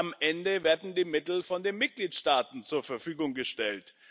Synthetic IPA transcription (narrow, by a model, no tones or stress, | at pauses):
amʔɛndəveːɐdn̩diːmɪtl̩fɔndeːnmɪt̚ɡ̥liːtʃtaːtn̩t͡suːɐfɛɐfyːɡʊŋɡəʃtɛlt